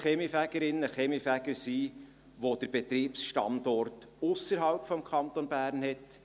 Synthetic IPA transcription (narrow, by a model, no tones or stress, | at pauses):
χɛmifæɡ̥əɾɪnːəχɛmifæɡəɾsiː | ʋod̪̥əɾb̥et̪ɾiːpsʃtɑ̰ndɔrtʊsəɾɦɑlpfɔmkʰɑnt̪onbæːɾnhɛt